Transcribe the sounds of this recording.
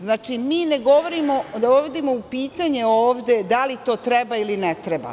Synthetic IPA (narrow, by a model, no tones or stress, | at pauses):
znaːt͡ʃimiːneɡo̞ʋoɾimod̪ooʋod̪imoupiːt̪aɲe̞oːʋd̪ʲe̞d̪alit̪o̞ːt̪ɾe̞bailinet̪ɾeba̰